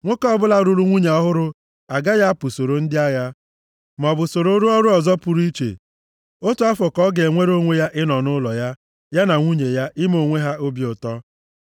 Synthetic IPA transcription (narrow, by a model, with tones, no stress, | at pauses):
ŋʷo˦kɔ˦bʊ˦la˦ɾu˦ɾu˦ŋʷu˦ɲe˨ɔ˦ɦʊ˦ɾʊ˦ | a˨ɡa˦ja˦pʊ˨so˨ɾo˨n̩˦dɪ˦a˦ja˦ | m˨ɔ˨bʊ˨so˨ɾo˦o˦ɾu˦ɔ˦ɾʊ˦ɔ˨zɔ˦pu˨ɾi˦t͡ʃḛ˨ | o˦tu˦a˦fɔ˨kɔ˦ɡe˨ŋʷe˦ɾo˦ŋʷe˦ja˦ʔɪ˦nɔ˨nʊ˦lɔ˨ja˦ | ja˦na˨ŋʷu˦ɲe˨ja˦ɪ˦m˦o˨ŋʷe˦ɦa˦o˦bjʊ˨tɔ˦